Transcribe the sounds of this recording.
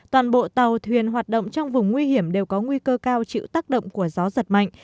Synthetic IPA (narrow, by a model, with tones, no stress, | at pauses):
t̪waː˨˩nɓo̰˧˨t̪ə˨˩wt̪ʰwi˨˩ənɦwaː˨˩t̚ɗə̰˧˨ŋ͡mt͡ɕɔ˧wŋ͡mvʊ˨˩ŋ͡mŋwi˧hi˧˩əmɗe˨˩wkɔ˨˦ŋwi˧kəː˧kaː˧wt͡ɕḭ˧˨t̪aː˦˥k̚ɗə̰˧˨wŋ͡mku˧˩əzɔ˨˦zə˨˩t̚ma̰˧˨jŋʔ